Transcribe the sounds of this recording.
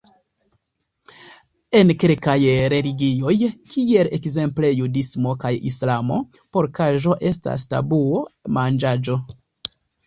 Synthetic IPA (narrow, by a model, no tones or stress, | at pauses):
e̞nkelkajɾe̞liɡio̞jkʰie̞le̞kze̞mple̞judismo̞kajḭslamo̞̰ | po̞ɾkaʒo̞ʔe̞sta̰sta̰buomand͡ʒad͡ʒo̞